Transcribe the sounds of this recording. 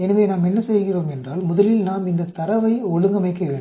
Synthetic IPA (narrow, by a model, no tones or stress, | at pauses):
ɛnɐʋeːnaːmɛnːɐsɛjɣɪroːmɛndraːlmʊðɐlɪlnaːmɪnd̪ɐt̪ɐɾɐʋɐɪɔɻɯŋɡɐmɐɪkːɐʋeːɳɖɯm